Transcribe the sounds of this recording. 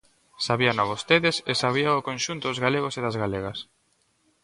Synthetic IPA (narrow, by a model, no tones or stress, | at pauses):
saβianaβost̪eðesesaβ̞iaʊkõnʃunt̪ʊðʊzɣaleɣoseðazɣaleɣas